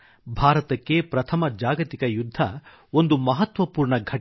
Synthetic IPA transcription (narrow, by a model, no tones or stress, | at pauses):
bʱaːɾɐt̪ɐkːe̞pɾɐt̪ʰɐmɐd͡ʒaːɡɐt̪ikɐjud̪ʱːɐ | o̞nd̪umɐɦɐt̪ʋɐpuːɾɳɐɡʱɐʈ